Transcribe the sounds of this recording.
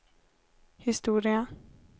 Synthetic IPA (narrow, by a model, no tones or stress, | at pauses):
hisd̥o̝ːɾiɐ